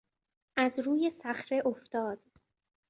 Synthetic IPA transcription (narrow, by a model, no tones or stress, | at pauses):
ʔæzɾuːje̞sæχɾe̞ʔoft̪ɒːd̪̥